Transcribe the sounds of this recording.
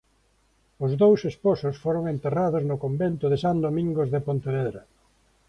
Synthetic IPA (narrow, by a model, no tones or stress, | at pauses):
ʊzðowsesposʊsfoɾoŋent̪eraðʊznʊkombent̪ʊðɪsand̪omĩŋɡozðepont̪eβeðɾa